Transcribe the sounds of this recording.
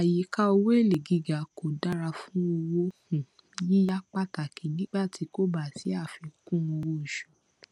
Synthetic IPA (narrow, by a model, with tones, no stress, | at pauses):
a˨ji˨ka˦o˧wo˦e˦˨le˨ɡi˨˦ɡa˨ko˨da˦ɾa˧fũ˦o˧wo˦hũ˨˦ | ji˦ja˦k͡pa˦ta˨kʰi˨nĩ˦ɡ͡ba˦˨tʰi˨˦ko˦ba˨si˨˦a˦˨fi˧kũ˦o˧wo˦˨ʃu̥˨